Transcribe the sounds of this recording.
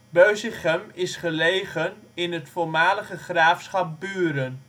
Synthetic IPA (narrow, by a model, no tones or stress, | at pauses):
bøɥsɪχəmɪsχəlejχənɪnətfoɹmaːləχəχraːfsχɑp̚byːɾən